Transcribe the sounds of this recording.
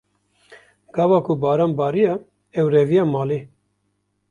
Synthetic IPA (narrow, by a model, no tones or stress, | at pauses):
ɡ̥ɑːvɑːkʰubɑːɾɑːnbɑːɾijɑ | ɛwɾɛvijɑːmɑːle